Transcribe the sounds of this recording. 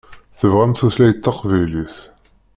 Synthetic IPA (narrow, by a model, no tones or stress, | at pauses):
θəvʁæmθuθlæjət̪ːɑqvæjliθ